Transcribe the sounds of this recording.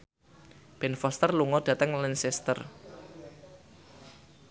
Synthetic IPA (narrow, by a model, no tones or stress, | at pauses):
b̥ɛnfɔst̪ərluŋɔd̥ä̤t̪əŋlinsɛst̪ə̰r